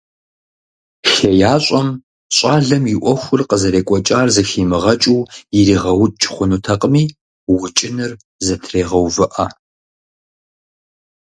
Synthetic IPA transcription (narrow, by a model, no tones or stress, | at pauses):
ʃɐjaːɕʼɐm | ɕʷʼɑːɮɐmjɪʔʷɔxʷʊrqəzɐɾeːkʷʼɔt͡ʃʼaːrzɨxiːmɨʁɐt͡ʃʼuwjɪɾiːʁɐwt͡ʃʼχʷʊnutʰɐqʼmiː | wʊt͡ʃʼɪnɨr | zɐtʰreːʁɐwvɨʔa